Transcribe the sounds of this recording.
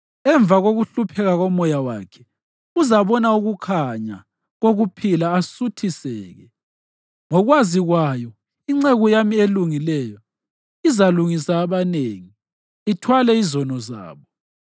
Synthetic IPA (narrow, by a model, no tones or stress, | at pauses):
ɛɱb̪vaɣoɣuɬupʰɛɣaɣɔmɔjawaːkʰɛ̥ | uzaβɔnauɣukʰaɲa̰ | ɣoɣupʰilaːsutʰisɛ̰ːɣɛ | ŋɔɣwaziɣwajɔ | iŋ͡ǀeɣujamieluŋilɛjɔ | izaluŋisaːβaneːŋi | itʰwalɛizɔnɔza̰ːβɔ